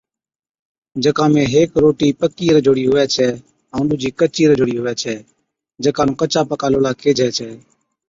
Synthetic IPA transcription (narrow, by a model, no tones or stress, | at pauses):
d͡ʒəkãːmẽːɦeːkɾoːʈiːpəkiːɾəd͡ʒʱoːɽiːɦʊʋɛːt͡ʃʰɛː | ãːnɗʊːd͡ʒiːkət͡ʃiːɾəd͡ʒʱoːɽiːɦʊʋɛːt͡ʃʰɛː | d͡ʒəkaːnũːkət͡ʃaːpəkaːloːlaːkʰeːd͡ʒʱɛːt͡ʃʰɛː